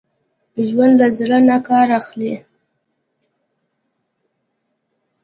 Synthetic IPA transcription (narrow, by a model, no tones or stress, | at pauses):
ʒwand̪lazɾanakɑɾaxli